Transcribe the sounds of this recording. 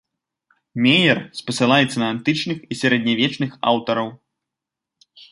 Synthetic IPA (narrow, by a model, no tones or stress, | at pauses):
mʲɛjɛrspɐsɨlˠajɛt̪sːɐnɐant̪ɨt͡ʂnɨxisʲɛɾɛd̪̚ʲnʲavʲɛt͡ʂnɨxa̰wt̪ɐɾɐw